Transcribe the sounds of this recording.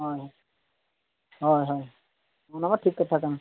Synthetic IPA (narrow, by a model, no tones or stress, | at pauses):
ɦɔjɦɔj | ɦɔjɦɔj | mɔnamaʈʰikːɔt̪ʰakɛn